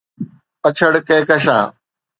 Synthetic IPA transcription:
ət͡ɕʰəɽkeːkəʃã̰ː

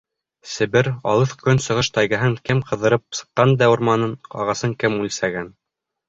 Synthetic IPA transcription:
sɘ̆βɘɾɑ̰lˠɤθkɵnsɤ̆ʁɤʃt̪ɑjɣɤ̆ɦɤŋkɘmqʰɤ̆ðɤ̆ɾɤp̚sɤ̥̆qːɑnd̪æŭɾmɑnɤnɑ̰ʁɑsɤŋkɘmʉlsæɡæn

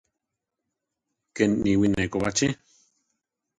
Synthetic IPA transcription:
kenniwinekoβat͡ʃe

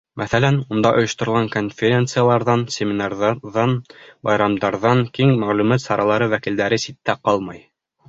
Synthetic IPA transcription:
mʔæθælænund̪ɑʔŏjŏʃt̪ŏɾɤ̆lʁɑŋkonfʲeɾʲent̪sɨjalˠɑɾðɑnsʲemʲɪnɑrðɑðɑnbɑjɾɑmd̪ɑɾðɑŋkiŋmæʁlʉmɑt̪sɑɾɑlˠɑɾɤwækild̪æɾɘsit̪ːæqɑlˠmɑj

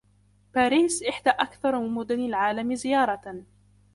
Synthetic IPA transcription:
paːɾiːsʔɪħd̪aʔakθɑɾˤmɪnmʊd̪ʊnɪlʕaːlamɪzɪjɑːɾˤɑ

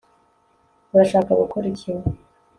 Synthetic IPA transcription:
uɾaʃaːkaɡṵkʰuɾicʰiwa

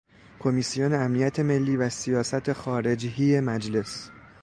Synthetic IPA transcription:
kʰo̞misijoneæmnijæt̪ʰe̞me̞lːiːvæsijɒːsæt̪ʰe̞xɒːɾe̞d͡ʒɦijemæd͡ʒle̞s

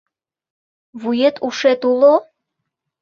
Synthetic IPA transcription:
βujet̪ʰuʃet̪ulo

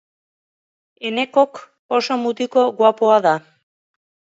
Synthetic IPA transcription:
e̞ne̞ko̞k | oso̞mut̪iko̞ɣwapoaða

